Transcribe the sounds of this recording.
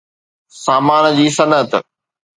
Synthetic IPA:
saːmaːnd͡ʑiːsɐnət̪

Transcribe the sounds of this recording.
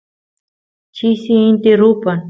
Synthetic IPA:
t͡ɕʰisiint̪ʲeɾupən

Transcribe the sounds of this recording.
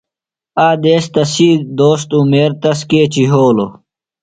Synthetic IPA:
aːd̪eːst̪ɐsiːd̪oːst̪umeːɾt̪ɐskeːt͡ɕiɦoːlo

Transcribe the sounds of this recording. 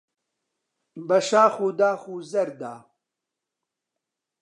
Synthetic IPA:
bɐʃaːxuːd̪aːxuːzɐɾd̪aː

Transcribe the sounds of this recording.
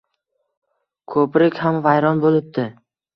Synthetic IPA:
kʰɵpɾɪkʲhamvajɾɒnbolɪp̚d̪ɪ

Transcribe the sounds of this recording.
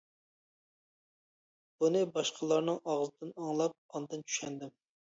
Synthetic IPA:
b̥unɨbɑʃqʰəlˠɑɾnɨŋɑʁzɨd̪ɪnɑŋlˠɑp̚ɑnd̪ɨnt͡ʃʰy̥ʃɛnd̪ɪm

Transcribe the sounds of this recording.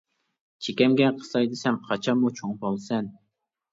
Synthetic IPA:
t͡ʃʰekʲɛmɡʲɛqʰə̥sɑjd̪ɨsɛmqʰɑt͡ʃʰɑmːut͡ʃʰoŋpolˠsɛn

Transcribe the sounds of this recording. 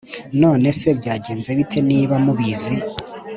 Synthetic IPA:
no̞ːne̞se̞bɟaːɟe̞ːnze̞βitʰe̞niːβamuβizi

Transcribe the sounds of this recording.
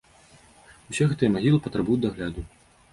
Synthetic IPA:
usʲɛɣɛt̪ɨjɛmaɣʲilˠɨpɐt̪ɾɐbujud̪ʲd̪ɐɣlʲad̪u

